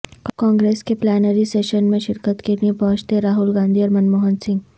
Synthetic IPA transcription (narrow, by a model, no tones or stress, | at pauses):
kɔ̃ːŋɡɾeːskeplɛːnəɾiseːʃənmẽʃɪɾkət̪kenepɔːt͡ʃt̪eɾaːɦʊlɡãːnd̪ʱiɔːɾmɐnmoːɦənsɪ̃ŋɡ